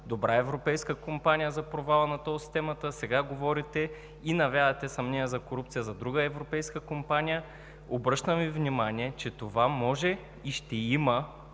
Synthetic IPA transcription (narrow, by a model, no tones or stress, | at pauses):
d̪obɾaɛvɾopɛjskəkompanʲijəzɐpɾovalˠɐnɐt̪ɔsi̥t̪ɛmət̪əsɛɡaɡovɔɾit̪ɛ | inɐvʲjad̪t̪ɛsɐmnɛəzɐkoɾup̚t̪sijəzɐd̪ɾuɡəɛvɾopɛjskəkompanʲijə | obɾɤʃt̪əmvivnʲimanʲiɛt͡ʃɛt̪ovamɔʒɛ | iʃt̪ɛimə